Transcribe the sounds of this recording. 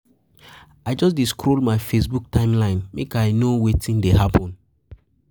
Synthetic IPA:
aɪd͡ʒɔs̬diskɾolmajfesbuk̚tãɪ̃mlãɪ̃nmekajnowetĩndeɦapʰɔ̃n

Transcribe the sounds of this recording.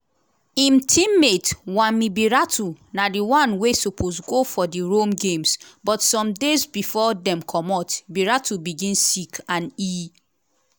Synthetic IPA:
ĩmtʰĩmːetwãmibiɹatʰunadiwɔ̃nwesupʰosɡofɔdiɹomɡẽmsbɔtsɔ̃mdezbifɔdɛ̃mkʰɔmɔtbiɹatʰubiɡĩnsikãni

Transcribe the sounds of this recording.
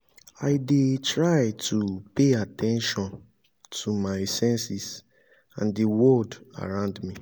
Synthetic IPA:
aɪdetɹaɪtʰupeatʰɛ̃nʃɔ̃n | tʰumaɪsɛ̃nsis | ã̰ndiwɔda̰ɹãʊ̃ndmi

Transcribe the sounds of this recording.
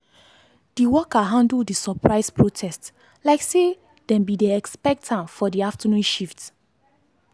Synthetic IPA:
d̥iwɔkaɦãndldisɔpʰɹaɪspʰɹotʰɛst | laɪkse | dɛ̃mbidɛɛkspɛk̚tʰãnfɔdiaftʰənũnʃift

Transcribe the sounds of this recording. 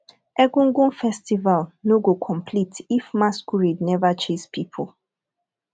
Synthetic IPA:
ɛɡũŋ̩ɡũnfɛstivalnoɡokʰɔ̃mpʰlitʰifmaskuɹidnɛvat͡ʃispipʰʊl

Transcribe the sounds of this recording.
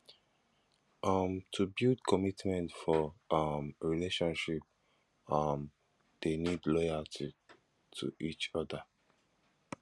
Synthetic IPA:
ʔʌmtʰubildkʰɔmitmɛ̃ntfɔʌmɹileʃɔ̃nʃip̚ | ʌm | d̥enidlɔjaltʰi | tʰṵʔit͡ʃɔda

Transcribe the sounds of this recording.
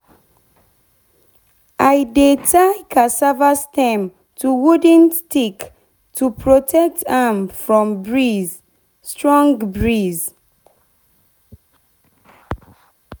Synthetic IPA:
ʔajdetʰajkʰasavastɛ̃m | tʰuwudə̃nstik | tʰupʰɹotʰɛk̚tʰãmfɹɔ̃mbɹiz | stɹɔ̃ŋɡbɹiz

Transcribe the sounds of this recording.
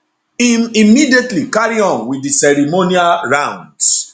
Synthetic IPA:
imimidietlikaɹiɔ̃nwidisɛɾimonialɹãʊ̃nds

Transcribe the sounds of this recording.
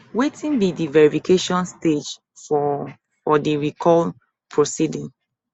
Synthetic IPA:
wetĩnbidivɛɹifikʰeʃɔ̃nsted͡ʒ | fɔ | fɔdiɹikʰɔl | pʰɹosidĩŋ

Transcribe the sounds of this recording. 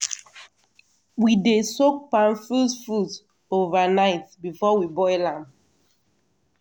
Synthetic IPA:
widesok̚pãnfusfud | ovanaɪtbifɔwibɔɪlãm

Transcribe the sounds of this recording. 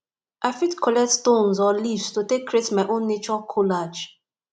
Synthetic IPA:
ʔafitkʰɔlɛk̚tstõnzɔlifstotekʰːɹietmaɪʔõnːet͡ʃɔkʰolad͡ʒ

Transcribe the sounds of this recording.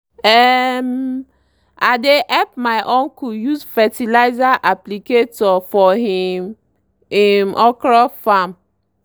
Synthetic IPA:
ɛm | ʔadeʔɛp̚majʔõnkujuzfɛtilaɪzaʔapliketɔfɔɦim | imʔɔkɹafãm

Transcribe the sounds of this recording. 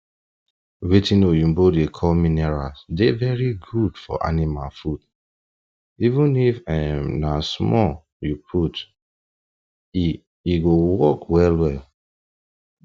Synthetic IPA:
wetĩnojũmbodekʰɔlminɛɹasdevɛɹiɡud̥fɔ̰ʔa̰nimalfud̥ | ivũnifɛmnasmɔ | jupʰut | iɡowɔkwɛlwɛl

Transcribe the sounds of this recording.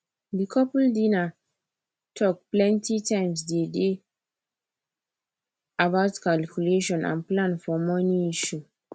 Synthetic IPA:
dikʰɔpldina | tʰɔk̚plɛ̃ntitʰãɪ̃ms̬dede | abaʊtkalkjuleʃɔ̃nʔã̰nplãnfɔmɔ̃niiʃu

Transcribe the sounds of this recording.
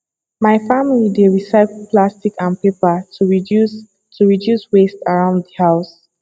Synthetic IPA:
maɪfamilideɹisaɪklplastikãnpepauɹi | tuɹidjuswestaɹãʊ̃nddəhaʊs

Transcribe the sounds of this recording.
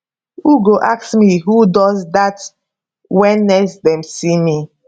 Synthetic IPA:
uɡoʔaksmiɦudɔzdat | wɛnːɛsdɛ̃msimi

